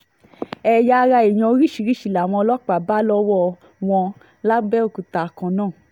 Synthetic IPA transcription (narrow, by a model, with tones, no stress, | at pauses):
ɛ˧˨ja˧ɾa˧e˨j̃ɔ̃˧o˧˦ɾi˦˨ʃi˨ɾi˦˨ʃi˨la˨w̃ɔ̃˧lɔ˦k͡pa˨ba˦lɔ˦wɔ˦ | w̃ɔ̃˧ | la˦bɛ˦o˦˨ku˨ta˨kã˨˦nãː˦˨